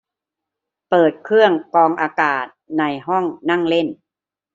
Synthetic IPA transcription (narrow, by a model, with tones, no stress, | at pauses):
pɤː˨˩t̪̚kʰɯ˥˩əŋkɔː˧ŋʔaː˧kaː˨˩t̪̚na˧jɦɔ˥˩ŋna˥˩ŋle˥˩n